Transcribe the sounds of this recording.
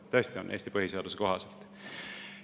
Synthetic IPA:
t̪øest̪ionʔe̞ːst̪ipɤɦise̞ɑd̪̥useko̞ɦɑselt̪

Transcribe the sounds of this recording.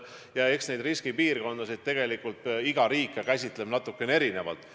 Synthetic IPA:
jɑe̞ksne̞jd̪riskipiːrko̞nd̪̥ɑsid̪̚t̪ːe̞ɡ̥e̞likːult̪iɡ̥ɑɾiːkːɑkæs̬ʲit̪ˑle̞bnɑt̪ːˑukːˑe̞nee̞ɾine̞vɑ̰lt̪ˑ

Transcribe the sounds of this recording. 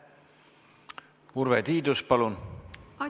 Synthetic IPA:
uɾvet̪iːd̪uspɑlun

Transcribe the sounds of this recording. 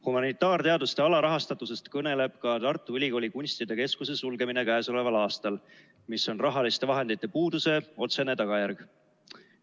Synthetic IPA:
humɑnit̪ːˑɑːrt̪e̞ɑd̪ust̪eɑlɑɾɑɦɑst̪ɑt̪ːˑuse̞st̪kɤne̞le̞b̥kɑt̪ɑrt̪ːˑuylʲiɡo̞ːlʲikunʲst̪id̪e̞ke̞skuse̞sulɡe̞mine̞kæːso̞le̞vɑlɑːst̪ɑl | miso̞nrɑɦɑlist̪e̞vɑɦe̞nd̪̥it̪ːˑe̞puːd̪use̞o̞t̪sene̞t̪ɑɡ̥ɑjærɡ̥

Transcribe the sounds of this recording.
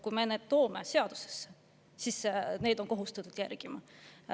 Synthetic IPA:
kujmeneːd̪̥̚t̪oːme̞se̞ɑd̪̥uses | sisne̞ːd̪o̞nko̞ɦust̪ɑt̪ːˑud̪̥jærɡ̥imɑ

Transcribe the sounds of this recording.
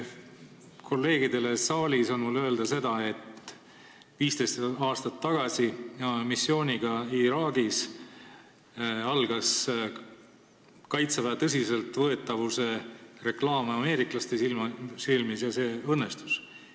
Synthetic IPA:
kʰo̞lːe̞ːɡid̪̥e̞le̞sɑːlʲiso̞nmulːøe̞ld̪̥ɑse̞d̪ɑe̞t̪ | viːst̪e̞jst̪ɑːst̪ɑt̪ːɑɡ̥ɑsijɑmisːio̞ːnʲiɡ̥ɑiɾɑːɡis | ɑlɡ̥ɑs | kɑjt̪sevɑt̪ɤs̬ise̞lt̪ˑvɤe̞t̪ːˑɑvuse̞re̞klɑːmeɑme̞ːɾiklɑst̪esilmsilmisjɑse̞ːɤnːe̞st̪u̥s

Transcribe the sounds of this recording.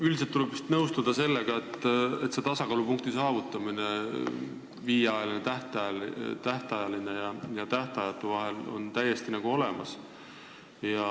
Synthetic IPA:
yld̪iset̪ːulebpst̪nɤwst̪ud̪̥ɑse̞lːeɡ̥ɑe̞t̪ːˑe̞t̪se̞t̪ɑsɑkɑlupuŋk̚t̪isɑːvut̪ːˑɑmine̞ | viːjɑjɑlinet̪æht̪ɑt̪æht̪ɑjɑlinejɑjɑt̪æht̪ɑjɑt̪ːˑuvɑɦe̞lo̰nt̪æjːe̞st̪inɑɡ̥uo̞le̞mɑ̰s | jɑ

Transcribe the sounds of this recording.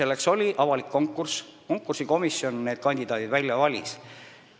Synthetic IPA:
e̞lːe̞kso̞lʲiʔɑvɑlikːo̞ŋkːˑursko̞ŋkːˑursiko̞misːjo̞nne̞ːd̪̥̚kɑnʲd̪̥id̪ɑːd̪id̪vælʲjɑvɑlʲḭs

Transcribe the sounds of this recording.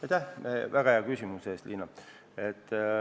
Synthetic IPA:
ɑjt̪ʲævæɡ̥ɑheɑkysʲimuse̞ːst̪liːnːɑ | et̪ː

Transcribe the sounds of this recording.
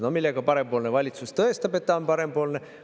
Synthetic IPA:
no̞milːeɡ̥ɑpɑɾe̞mpoːlnevɑlʲit̪sust̪ɤest̪ɑbe̞t̪ːɑo̞npɑɾe̞mpo̞ːlne̞

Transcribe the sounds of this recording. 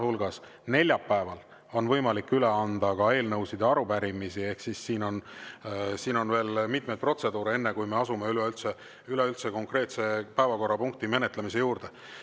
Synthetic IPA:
hulɡ̥ɑs | ne̞lʲjɑpːæevɑl | o̞nvɤ̞jmɑlikːyle̞ɑnd̪ɑkɑe̞ːlnɤwsid̪jɑɑɾupæɾimisie̞hksisːiːno̞n | siːno̞nve̞ːlmit̪̚mejt̪̚pro̞t̪se̞d̪̥uːɾee̞nːekujme̞ɑsumeyleylt̪se | ylɛylt̪seko̞ŋkre̞ːt̪se̞pæevɑko̞rːɑpuŋk̚t̪ime̞net̪lemis̬e̞juːrd̪̥e

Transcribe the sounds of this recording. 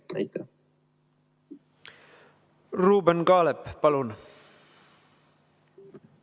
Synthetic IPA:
t̪ɑjkːɑ | ruːbenɡɑːlepːɑlun

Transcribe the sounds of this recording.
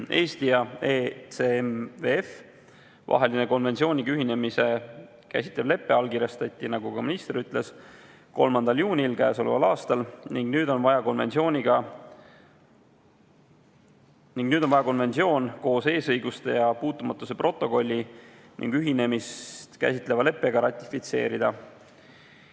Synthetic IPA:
ʔe̞ːst̪ijɑet̪semveef | vɑ̰ɦe̞lineko̞nve̞nt̪sʲio̞ːnʲikyɦine̞mise̞ | kæ̰si̥t̪levle̞pːˑe̞ɑlkiɾjɑst̪ɑt̪ʲˑːinɑɡ̥ukɑminist̪eɾyt̪ːˑle̞s | ko̞̰lmɑnd̪̥ɑljuːnʲilkæːso̞levɑ̰lɑːst̪ɑlniŋɡ̥nyːd̪o̞nvɑjɑko̞nve̞̰nt̪sio̞ːnʲiɡ̥ɑ | niŋɡ̥nyːd̪̥onvɑjɑko̞nve̞nsio̞ːnko̞ːse̞ːsɤjɡust̪e̞jɑpuːt̪ːˑumɑt̪ːˑuse̞pro̞t̪ːˑo̞ko̞lʲːi | nʔḭŋɡ̥yɦine̞mist̪kæ̰sʲit̪le̞vɑle̞pːˑe̞ɡ̥ɑɾɑt̪ʲːˑi̥fit̪se̞̰ːɾid̪̥ɑ

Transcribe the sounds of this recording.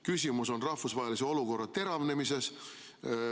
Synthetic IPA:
kysʲimuso̞nrɑhfusvɑɦeliseo̞luko̞rːɑt̪e̞ɾɑvne̞mise̞s

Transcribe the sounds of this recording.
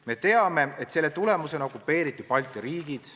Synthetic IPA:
me̞t̪e̞ɑme̞et̪se̞lːe̞t̪ule̞muse̞no̞kːupːˑe̞ːɾit̪ːˑipɑlʲt̪ˑiɾiːɡ̥id̪̥

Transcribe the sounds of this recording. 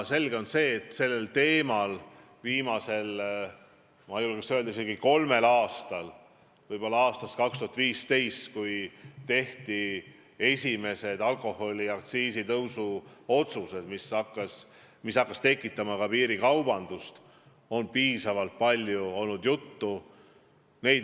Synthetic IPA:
se̞lɡ̥eo̞nse̞ːt̪se̞lːe̞lt̪e̞ːmɑl | viːmɑse̞l | mɑjulɡesøld̪ɑis̬eɡiko̞lme̞lɑːst̪ɑl | vɤjb̥o̞lːɑɑːst̪ɑst̪kɑkst̪uhɑt̪viːst̪e̞jst̪kujt̪e̞ht̪i | e̞sʲime̞se̞d̪ɑlko̞ho̞lʲiɑkt̪siːsit̪ɤwsuo̞t̪suse̞d̪misɑkːˑɑs | misɑkːɑst̪e̞kːˑit̪ːˑɑmɑkɑpiːɾikɑwb̥ɑnd̪ust̪ | o̞npiːsɑvɑlt̪̚pɑlʲjuo̞lnud̪̥jut̪ːu | ne̞j̪

